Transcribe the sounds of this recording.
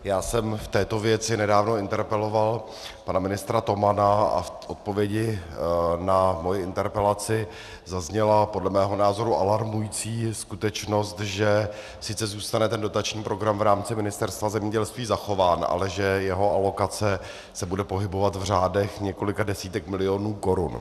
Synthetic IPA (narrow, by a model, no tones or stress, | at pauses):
jaːsɛmft̪ɛːt̪o̞vjɛt͡sɪnɛdaːvno̞ɪnt̪ɛɾpɛlo̞val | panamɪnɪst̪ɾat̪o̞manaa̰fʔot̪̚po̞vjɛɟɪ | namo̞jɪɪnt̪ɛɾpɛlat͡sɪ | zazɲɛlapodlɛmɛːɦo̞naːzo̞ɾuʔalaɾmujit͡siːskut̪ɛt͡ʃno̞st̪ʒɛ | sɪt͡sɛzuːst̪anɛt̪ɛndo̞t̪at͡ʃɲiːpɾo̞ɡɾamvɾaːmt͡sɪmɪnɪst̪ɛɾst̪vazɛmɲɛɟɛlst̪viːzaxo̞vaːnʔa̰lɛʒɛjɛɦo̞ʔalo̞kat͡sɛ | sɛbudɛpo̞ɦɪbo̞vat̪vr̝aːdɛxɲɛko̞lɪkadɛsiːt̪ɛkmɪlɪo̞nuːko̞ɾun